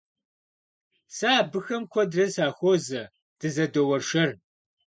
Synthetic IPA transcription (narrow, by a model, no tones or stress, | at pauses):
saːbɨxɐmkʷʰɔdrɐsaːxʷoːzɐ | d̥ɨzɐdowɐrʂɐr